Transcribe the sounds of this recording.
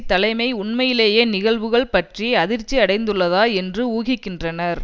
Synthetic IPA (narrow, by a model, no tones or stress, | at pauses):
t̪ːɐlɐɪmɐɪʊɳmɐjɪleːjeːnɪɣɐɭʋɯɣɐɭpɐʈrieɐðɪɾt͡ʃːiɐɽɐɪnd̪ɯɭːɐðaːɛndrɯuːɣɪkːɪndrɐnɐɾ